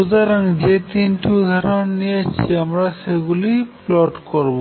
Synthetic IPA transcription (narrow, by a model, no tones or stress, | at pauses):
uzaɾaŋd͡ʒet̪inʈud̪ʱɔɾɔnniat͡ʃʰiamɾaseɡuliplɔʈkɔɾbo